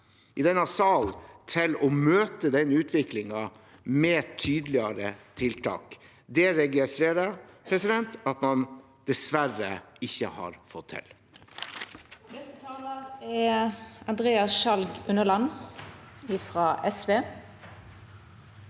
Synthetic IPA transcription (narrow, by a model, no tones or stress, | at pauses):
ʔɪd̪ɛnɑsɑlt̪ʰɪlɔmøːt̪əd̪ɛnːʉːt̪ʰʋɪklɪŋɑ | mɛːt̪ʰyːd̪əlɪəɾət̪ʰɪlt̪ʰɑ̰ːk | d̪ɛɾɛɡəsɾeːɾəpʰɾɛsɪd̪ɛnt̪ɑt̪mɑn | d̪̥ɛsʋæɾːəɪçːəhɑ̰ɾfɔt̪ʰːɪ̰l | nɛst̪ət̪ʰɑːləɛɑnd̪ʁeːɑsʃɑlɡʉnəlɑnː | ɪfɾɑːʔɛsʋeː